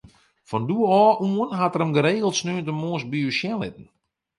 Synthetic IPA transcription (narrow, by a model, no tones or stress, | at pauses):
fɔnduəɔːʔuənɦatəɾəmɡəɾeːɣəl̩ˠtsnøəntəmoəsbiusjɛlɪ̰tn̩